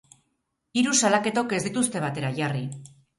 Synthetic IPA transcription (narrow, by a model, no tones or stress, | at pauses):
iɾusalake̞t̪o̞ke̞zd̪it̪ust̪e̞β̞at̪e̞ɾaʝari